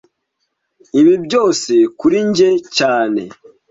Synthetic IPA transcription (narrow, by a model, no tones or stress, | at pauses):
iβibɟo̞ːsekuɾiɲɟecaːne̞̰